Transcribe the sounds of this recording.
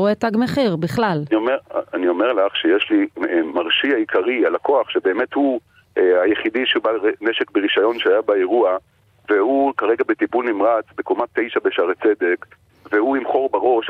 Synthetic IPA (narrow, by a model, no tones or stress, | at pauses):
oetaɡmeχiʁbiχlaliomeanio̞meʁlaχʃejeʃlimaʁʃiaikʰaʁialakʰo̞aχʃebe̞ːme̞t̪hu | ajeχid̪iʃebaeneʃekbeʁiʃajo̞nʃeajabaeʁua | vehukaʁeɡabet̪ibulnimʁat͡sbekomat̪ːe̞jʃabeʃaʁet͡sed̪ek | vehuimχo̞ʁbaʁo̞ʃ